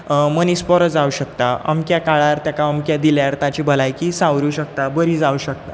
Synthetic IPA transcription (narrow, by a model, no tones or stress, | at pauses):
məniːspɔɾəd͡zauɕək̚t̪aə̰mkjakaɭaɾt̪jakaəmkjad̪iljaɾt̪at͡ɕibʱəlajkiːsãwɾuːɕəkt̪abəɾiːd͡zauɕək̚t̪a